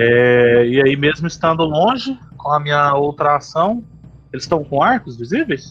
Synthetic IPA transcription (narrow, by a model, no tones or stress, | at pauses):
ɛɪaimezmʊɪst̪ɐ̃nd̪ʊlõʒɪkõɐmĩɲɐowt̪ɾɐasɐ̃w̃ | elɪst̪ɐ̃w̃kõaɾkʊzvizivejs